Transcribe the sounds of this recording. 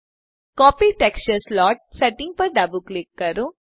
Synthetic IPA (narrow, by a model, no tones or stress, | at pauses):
kɔːpiʈekst͡ʃəɾslɔːʈ̚seʈĩŋɡ̚pɐɾɖabuklikːɐɾu